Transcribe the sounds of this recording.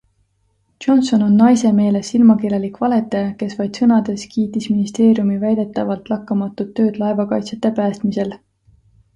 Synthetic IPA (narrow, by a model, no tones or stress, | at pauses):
ʒ̥o̞nso̞no̞nːɑjse̞me̞ːle̞silmɑkelelikvɑle̞t̪ːˑejɑke̞svɑjd̪̥sɤnɑd̪̥e̞skiːt̪ˑisminist̪e̞ːɾjumivæjd̪̥e̞t̪ːˑɑvɑlt̪ˑlɑkːɑmɑt̪ːˑut̪ːø̞ːd̪̥lɑe̞vɑkɑjt̪set̪ːˑe̞pæːst̪mise̞l